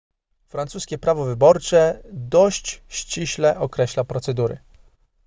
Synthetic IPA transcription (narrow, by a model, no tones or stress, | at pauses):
fɾant̪suskʲɛpɾavɔvɘbɔɾt͡ʂɛd̪ɔɕt͡ɕɕt͡ɕiɕlɛʔɔkɾɛɕlapɾɔt̪sɛd̪uɾɘ̰